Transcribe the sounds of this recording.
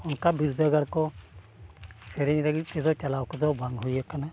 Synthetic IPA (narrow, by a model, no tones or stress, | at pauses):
ɔnkabiɾud̪ʱaɡaɽkɔ | sɛɾɛɲɾaɡit̪ɛd̪ɔt͡ʃalawkɔd̪ɔbʱaŋɡɦujakana